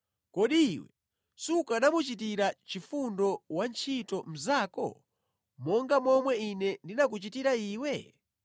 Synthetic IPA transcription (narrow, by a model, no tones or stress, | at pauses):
kɔɗiːwɛ̰ | sukaɗamut͡ʃitiɾat͡ʃifundɔwant͡ʃʰitɔm̩zaːkɔ̰ | mɔŋɡamɔmwɛinɛndinak̬ut͡ʃitiɾaiːwɛ